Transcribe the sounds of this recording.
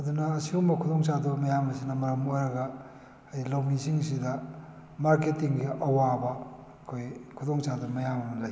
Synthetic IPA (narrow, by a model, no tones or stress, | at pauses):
ɐd̪unɐːsiumɐkʰudoŋsadumɐjamɐsinɐmɐɾɐmojɾɐɡɐ | ajlawmisiŋsidɐ | maɾketiŋɡiʔɐwabɐː | kʰojkʰudoŋsadumɐjamɐmɐlɐj